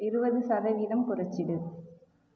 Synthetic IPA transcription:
ɪɾɯbɐðɯsɐɾɐʋiːðɐmkʊrɐt͡ʃːɪɽɯ

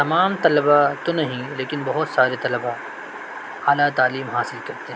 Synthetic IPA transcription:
t̪ɐmaːmt̪ɐləbat̪onɐɦĩleːkɪnbɐɦʊt̪saːɾet̪ɐləba | aːlat̪aːliːmɦaːsɪlkɐɾt̪eɦɛ̃

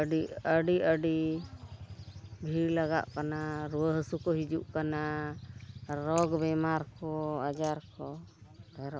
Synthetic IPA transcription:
əɖiəɖiəɖi | bʱiɾlaɡa̰ʔkanaɾuwəɦəsukɔɦid͡ʒuʔkana | ɾɔɡbɛmaɾkɔad͡ʒaɾkɔ | ɛɾɔʔ

